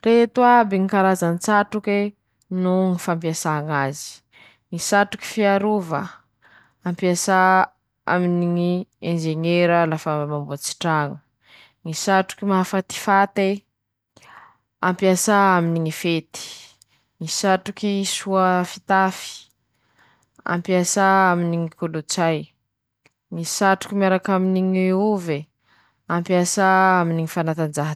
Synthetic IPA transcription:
ret̪uabiŋikaɾazanit͡saʈ͡ʂuke | nuŋifampjasaŋazi̥ | ŋisaʈ͡ʂu̥ki̥fiaɾuvə | ampiasa | a̰miniŋiend͡ʒeɲeɾəlafəmambuat͡si̥ʈ͡ʂaŋu | ŋisaʈ͡ʂu̥kimaɦafat̪i̥fat̪e | ampiasaaminiŋifet̪i̥ | ŋisaʈ͡ʂukisuafit̪afi̥ | a̰mpiasaaminiŋikolut͡saj | ŋisaʈ͡ʂu̥kimiaɾakaminiŋeuve | ampiasaaminiŋifanat̪and͡ʒaɦa

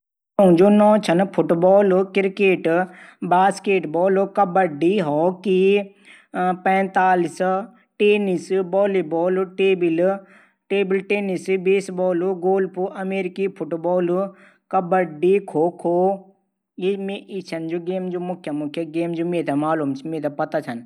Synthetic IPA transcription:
õd͡ʒoːnɔ̃ːt͡ʃʰɐnpʰʊʈbɔːlkɪɾkeːʈbaːskeːʈbɔːlkɐbəɖiɦoːki | pɛ̃ːt̪aːlis | ʈeːnisbɔːlibɔːlʈeːbil | ʈeːbɪlʈeːnisbiːsbɔːlɡoːlpuʔɐmeːɾɪkipʰʊʈbɔːl | kɐbəɖikʰoːkʰoː | jemeʔit͡ʃʰɐnd͡ʒoːɡeːmd͡ʒoːmʊkʰjɐmʊkʰjɐɡeːmd͡ʒoːmẽt̪ʰɛmaːluːmt͡ʃʰimẽt̪ʰɛpɐt̪at͡ʃʰɐn

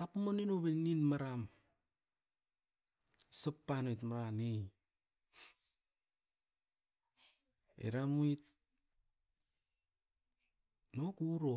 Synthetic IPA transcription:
apmoninoβeninmaɾam | sapːanojtmaɾanej | ḛɾamuit̚ | nokuɾo

